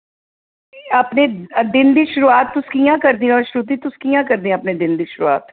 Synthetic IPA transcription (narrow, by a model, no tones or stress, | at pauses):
əpned̪ɪnd̪iːʃʊɾuːaːt̪ːʊskijãːkəɾd̪iãɔːɾʃɾut̪̬it̪ʊskijãːkəɾd̪iːãəpned̪ɪnd̪iːʃʊɾua̰ːt̪